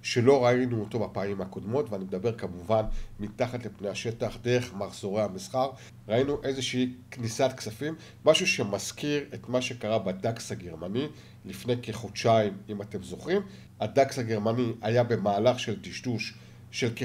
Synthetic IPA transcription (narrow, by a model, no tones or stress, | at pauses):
ʃe̞lo̞ʁainuoto̞bapaːimhako̞dmo̞tveanimedabe̞ʁkamuvanmitaχatlipnejaʃe̞taχdeʁe̞χmaχz̥o̞ʁehamisχaʁ | ʁainuʔe̞zeʃeiknisat̪̚ksafimː | aʃuʃe̞mazkiʁe̞tmaʃe̞kaʁabadaksaɡe̞ʁmani | lifnejkeχot͡ʃaimimate̞mzo̞χim | adakshaɡe̞ʁmaniajabe̞maːlaχʃe̞ldiʃduʃ | ʃe̞lke